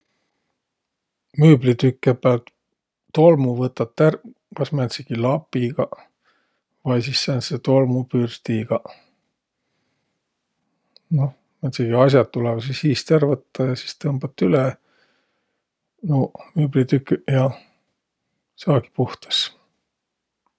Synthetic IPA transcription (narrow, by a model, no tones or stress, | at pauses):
myːblit̪ykːepːelt̪ː | o̞lmuvɤt̪ːɑt̪ːær | kɑsmæt̪seɡ̥ilɑpːˑiɡ̥ɑ | vɑjsisːɑnset̪o̞lmupyrt̪iɡ̥ɑ | no̞ | mæt̪seɡ̥iɑs̬ʲjɑt̪ːulɛv̥sishiːst̪ærvɤt̪ːɑjɑsi̥st̪ɤmb̥ɑt̪ːyle | nomyːblit̪ykːjɑ | sɑːɡ̥i̥puht̪e̥s